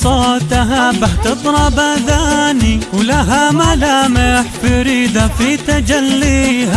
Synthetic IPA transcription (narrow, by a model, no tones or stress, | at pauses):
sˤɑt̪aɦabaħt̪ɨðˤɾˤɑbaðaniwlaɦamalaːmɪħfɪɾiːd̪afit̪ad͡ʒalːiɦa